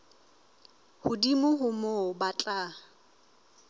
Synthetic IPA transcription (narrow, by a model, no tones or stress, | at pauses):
hʊdimʊɦʊmobat͡ɬʼa